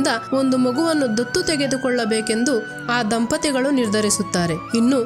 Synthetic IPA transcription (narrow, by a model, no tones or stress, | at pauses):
d̪ɐo̞nd̪umɐɡuʋɐnːud̪ot̪ːut̪ɛɡe̞d̪ukɔɭːɐbeːke̞nd̪u | aːd̪ɐmpɐt̪ɛɡɐɭuniɾd̪ʱɐɾisut̪ːaːɾe̞inːu